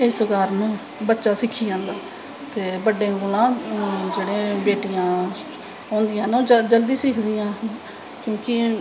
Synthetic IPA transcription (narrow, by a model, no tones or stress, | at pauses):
eːsəɡaːɾnũː | bətːʃaːsɪkʰːiːãːnd̪aː | t̪eːbəɖẽːɡolãːd͡ʒeːɽẽːbeːʈɪjãː | ãːnd̪ɪjãːnːd͡ʒəld̪iːsɪkʰd̪ijãː | kjõːkɪ